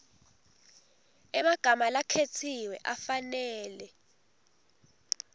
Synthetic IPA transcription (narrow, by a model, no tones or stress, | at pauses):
ɛmaɡ̥ʱamalakʰetʰiwɛʔafanɛːlɛ